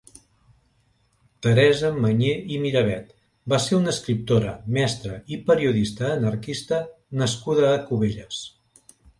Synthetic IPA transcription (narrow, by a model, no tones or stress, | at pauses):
t̪əɾɛzəməɲeimiɾəβ̞ɛt̪ | baseɾunəskɾip̚t̪oɾə̰mɛst̪ɾəipəɾiuð̞ist̪əːnəɾkist̪ənəskuðəːkuβ̞eʎəs